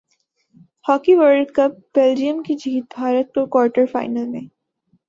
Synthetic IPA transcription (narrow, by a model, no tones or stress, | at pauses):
hɔːkiʋəɾɖkɐp̚b̥eːld͡ʒijə̃mkid͡ʒʱiːt̪̚bʱaːɾət̪̚kokwɔːɾʈəɾfa̰ːɪnəlmḛ̃